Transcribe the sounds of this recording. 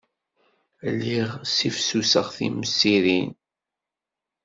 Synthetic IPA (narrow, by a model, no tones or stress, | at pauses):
lːiʁsifsusəʁθḭməsːiɾin